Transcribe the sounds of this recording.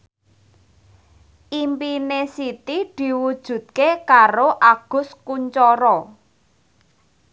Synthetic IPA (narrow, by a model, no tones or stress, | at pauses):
ʔimpinesit̪id̪̥i̤wud̥ʒ̥ṳd̪̚kekaɾoʔaɡ̥ʊ̤skuɲt͡ʃɔɾɔ